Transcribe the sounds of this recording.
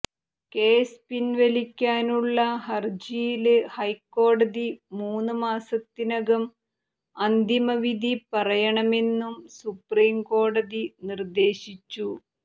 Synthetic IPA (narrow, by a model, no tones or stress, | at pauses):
ke̞ːspinʋɐlikʲːaːnuɭːɐhɐrd͡ʑijilɨhɐjkːo̞ːɽɐðimuːnːɨmaːsɐt̪ːinɐɣɐm | ɐnd̪imɐʋid̪ʱipɐrɐjɐɳɐme̞nːumsupriːmko̞ːɽɐðinird̪e̞ːɕit͡ɕːu